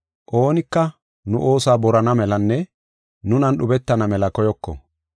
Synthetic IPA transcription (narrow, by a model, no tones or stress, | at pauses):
ʔo̞ːnɪkːɐ | nʊʔo̞ːsaːbɔɾɐnɐmɛlɐnːɛ | nʊnɐnɗʊbɛt̪ːɐnɐmɛlɐkɔjɔkːɔ̰